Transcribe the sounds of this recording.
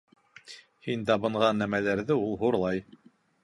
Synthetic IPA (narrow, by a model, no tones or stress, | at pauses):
hint̪ɑβɤ̆ɴʁɑnːæmælæɾðɘulˠɦuɾlˠɑj